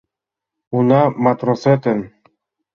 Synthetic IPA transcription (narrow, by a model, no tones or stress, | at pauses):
unɑmat̪ɾosɛt̪ɘn